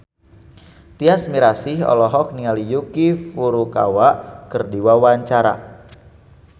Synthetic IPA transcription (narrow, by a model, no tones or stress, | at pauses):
t̪iasmiɾasiɦɔ̰lɔɦɔk̚niŋalijukifuɾuka̰waʔkərdiwawaɲt͡ʃaɾa̰